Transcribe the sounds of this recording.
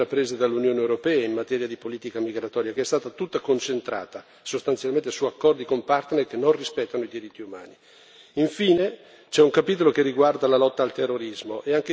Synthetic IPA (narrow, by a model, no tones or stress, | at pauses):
apːɾeːzed̪alːunjoːneewɾopɛːaimmːat̪ɛːɾjad̪ipoliːt̪ikamiɡɾat̪ɔːɾjakeɛst̪aːt̪at̪ut̪ːakont͡ʃent̪ɾa̰ːt̪a | sost̪ant̪sjalment̪esuakːɔrd̪ikompart̪nerkenːonrispɛt̪ːanoid̪iɾit̪ːiuma̰ːni | iɱfiːne | t͡ʃɛuŋkapiːt̪̬olokerːiɡward̪alalɔt̪ːaːlt̪erːoɾizmoʔeaŋk̟e